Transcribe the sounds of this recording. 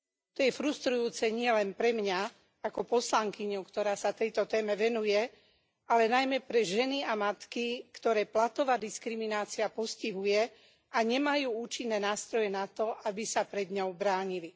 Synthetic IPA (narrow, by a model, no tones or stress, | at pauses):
t̪ɔjɛfɾust̪ɾujuːt͡sɛɲɪɛlɛnpɾɛmɲa | akɔpɔslaŋkiɲɔʊkt̪ɔɾaːsat̪ɛjt̪ɔt̪ɛːmɛʋɛnujɛ | alɛnajmɛpɾɛʒɛniamat̪kikt̪ɔɾɛːplat̪ɔʋaːd̪iskɾiminaːt͡siapɔsciɦujɛ | aɲɛmajuːuːt͡ʃinːɛːnaːst̪ɾɔjɛnat̪ɔabisapɾɛd̪ɲɔʊbɾaːɲili